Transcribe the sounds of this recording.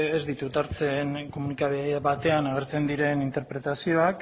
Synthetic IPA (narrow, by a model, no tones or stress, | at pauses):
ezd̪it̪ut̪aɾt͡senko̞munikaβeajaβat̪e̞anaɣ̞eɾt͡se̞nd̪iɾe̞nint̪e̞ɾpɾe̞t̪asio̞ak